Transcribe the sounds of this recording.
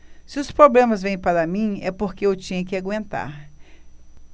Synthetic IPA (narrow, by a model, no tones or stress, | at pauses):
sɪʊspɾoblẽmɐzvẽj̃paɾɐmĩɛpoɾkeewt͡ʃĩɲɐkɪaɡwẽnt̪a̰ɾ